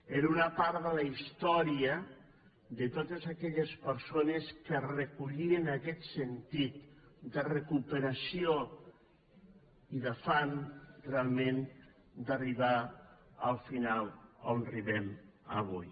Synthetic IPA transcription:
eɾunapaɾðəlaist̪ɔɾiə | ðət̪ot̪əzakɛʎəspəɾsonəskərəkuʎiənakɛt̪sənt̪it̪d̪ərəkupəɾasio | iðafanrealˠmẽn | d̪ariβa | əlˠfinalˠonariβɛmə̰β̞uj

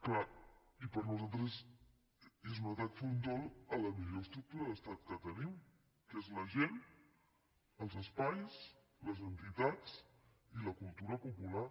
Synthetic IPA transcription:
kla | ipəɾnuzalˠt̪ɾəz | ezunət̪ak̪fund̪ɔlˠələmiʎoəst̪ɾuk̚t̪uɾəðəst̪at̪kət̪ənim | kezləʒen | əlˠzəspajs | ləzənt̪it̪at͡s | iləkulˠt̪uɾəpupula

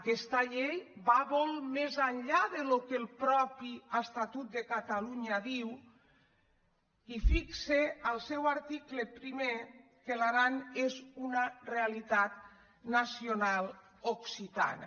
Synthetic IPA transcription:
akɛst̪aʎejbaβɔlˠmezaʎʎaðelokelˠpɾɔpiəst̪at̪ut̪̚d̪ekat̪aluɲaðiw | ifikseəlˠsɛwaɾt̪iklepɾime | kelaɾanezunarealit̪at̪ | nasionalˠ | oksit̪a̰na̰

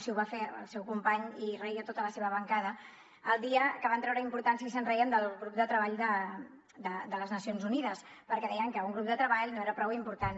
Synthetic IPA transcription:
siuβafeə̰lˠsewkumpaɲirəiət̪ot̪ələseβəβəŋkaðə | əlˠd̪iəkəβant̪ɾɛwɾəimpuɾt̪ansjəisənrəiənd̪əlˠɣɾup̚d̪ət̪ɾəβ̞aʎd̪ə | d̪əd̪ələznəsionzuniðəspəɾkɛðɛjəŋkəuŋɡɾup̚d̪ət̪ɾəβaʎnoeɾəpɾɔwimpuɾt̪an

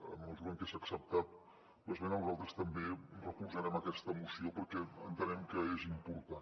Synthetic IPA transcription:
ə̰məlˠzɾəŋkesaəksəp̚t̪at̪̚ | lozβenəlzalˠt̪ɾəst̪əmberəkuzəɾɛməkɛst̪əːmusiopəɾkɛənt̪ənɛmkəezimpuɾt̪a

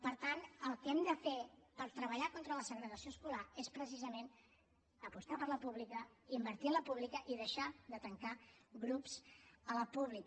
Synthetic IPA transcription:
pəɾt̪anəlˠkɛmd̪əfepəɾt̪ɾəβəʎakont̪ɾələsəɣɾəɣəsioəskulaespɾəs̬izəmen | əpust̪apəɾləpuβlikəimbəɾt̪iənləpuβlikəʔiðəʃaðət̪əŋkaɣɾupsələpuβlik

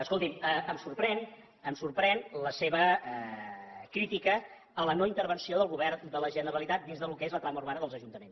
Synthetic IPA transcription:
əskolˠt̪iməəmsurpɾɛn | əmsurpɾɛnləseβə | kɾit̪ikəː | lənoint̪əɾβənsioðəlˠɣuβɛɾd̪ələʒənəɾəlit̪at̪̚d̪inzðəlukezlət̪ɾaməuɾβanəðəlˠzəʒunt̪əmens

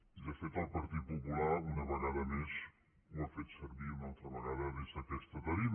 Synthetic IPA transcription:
izɐfet̪awpɐɾt̪iðupupulˠaɾunɐβɐɣaðɐmeʃ | uɐfet̪sɐɾβiumolˠt̪ɐβɐɣaðɐβesɐkɛʃt̪ɐt̪ɐɾim

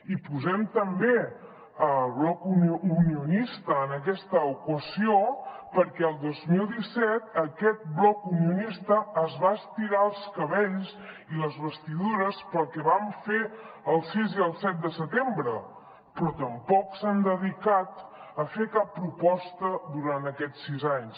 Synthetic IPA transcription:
ipuzɛmt̪əmbe | əβlɔkununiunist̪əːnəkɛst̪əukəziopəɾkɛəlˠd̪ozmilˠd̪isɛt̪əkɛt̪̚blɔkunijunist̪əːzβaəst̪iɣaəlˠskəβeʎs | iləzβəst̪iðuɾəspəlˠkɛβaɱfe | əlˠsiziəlˠsɛt̪̚d̪əsət̪embɾə | pɾɔt̪əmpɔksand̪əðikat̪əfekapːɾupɔst̪əðuɾant̪əkɛt͡sːizaɲs

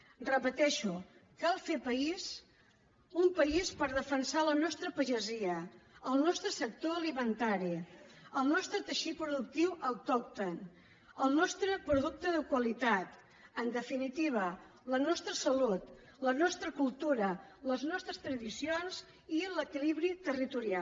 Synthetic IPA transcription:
rəpət̪ɛʃukalˠfepəiz | umpəispəɾðəfənsalənɔst̪ɾəpəʒəziəəlˠnɔst̪ɾəsək̚t̪oəlimənt̪aɾiəlˠnɔst̪ɾət̪əʃipɾuðuk̚t̪iwəwˠt̪ɔk̚t̪on | əlˠnɔst̪ɾəpɾuðuk̚t̪əðəkwəlit̪at̪ | ənd̪əfinit̪iβ̞ə | lənɔst̪ɾəsəlut̪ | lənɔst̪ɾəkulˠt̪uɾələznɔst̪ɾəst̪ɾəðisionz̥ | iləkiliβɾit̪ərit̪uɾia

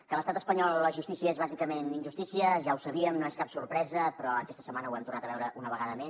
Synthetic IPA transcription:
kələst̪at̪əspəɲɔlˠləʒust̪isiəezβazikəmeninʒust̪isiəʒawsəβiəmnoeskapsuɾpɾɛzəpɾɔəkɛst̪ə̥səmanəwɛmt̪urnat̪əβɛwɾəʔunəβəɣaðəmes

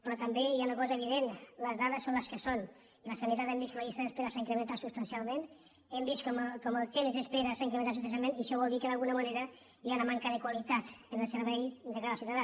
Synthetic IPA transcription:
pɾɔt̪ambeiaunəkɔzəeβ̞iðenləzðaðəsonləskəson | ləsanit̪at̪embiskəmaβist̪aðəspeɾəsaiŋkɾemẽnt̪at̪sust̪ɐnsialˠmen | embiskɔməkɔməlˠt̪emzðəspeɾəsaiŋkɾemẽnt̪asus̬t̪ns̬almẽniʃɔβɔlˠd̪ikəðalˠɣunəmaneɾə | ianamaŋkəðəkwalit̪at̪ənəlˠsəɾβɛjd̪əklaɾasjunaða

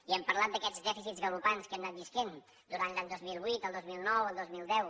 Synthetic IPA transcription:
iɛmpəɾlat̪̚d̪əkɛd͡zdɛfisizɣəlupanskɛmnat̪̚bisken | d̪uɾanlaɲd̪ozmilˠβwit̪əlˠd̪ozmilˠnɔwəlˠd̪ozmilˠd̪ɛw

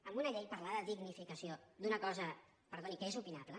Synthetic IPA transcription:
əmbunɐʎejpəɾlaðəðiɣnifikəsiod̪unəkɔzə | pəɾðonikəezupinaβlə

